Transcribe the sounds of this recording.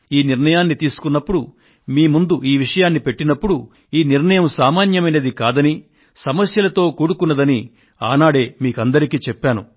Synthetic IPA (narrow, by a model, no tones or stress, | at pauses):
iːniɾnɐjaːnːit̪iːsu̥kunːɐpːuɽu | miːmund̪uʔiːʋiʂɐjaːnːipe̞ʈːinɐpːuɽu | iːniɾɳɐjɐmsaːmaːnjɐmɐjnɐd̪ikaːd̪ɐni | sɐmɐsjɐlɐt̪o̞ːkuːɽukunːɐd̪ɐni | a̰ːnaːɽe̞ːmiːkɐnd̪ɐɾikiːt͡ʃɛpːaːnṵ